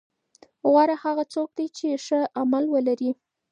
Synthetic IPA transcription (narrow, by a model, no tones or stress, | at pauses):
ɣwɑɾahaɣat͡sok̚d̪ajt͡ʃeʂəamalwəlaɾi